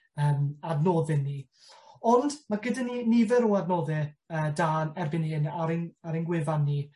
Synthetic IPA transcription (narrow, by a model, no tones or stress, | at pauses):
əːmadnoːðɪnːi | ɔndmaɡədaninivɛɾɔadnoːðɨəːdanɛrbɪniɪnaɾɪnaɾɪnɡwɪvanːi